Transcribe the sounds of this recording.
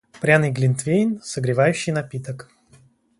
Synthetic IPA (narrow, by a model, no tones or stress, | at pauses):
pɾʲanɨjɡlʲɪnt̪vʲejnʲsəɡɾʲɪvajʉɕːɪjnɐpʲit̪ək